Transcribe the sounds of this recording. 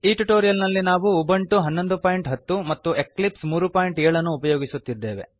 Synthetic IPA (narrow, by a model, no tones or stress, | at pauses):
iːʈuʈoːɾijɐlnɐlːinaːʋuːbɐɳʈuɦɐnːo̞nd̪upaːjiɳʈɦɐt̪ːumɐt̪ːue̞klipsmuːɾupaːjiɳʈɛːɭɐnːuːpɐjoːɡisut̪ːid̪ːe̞ːʋe̞̰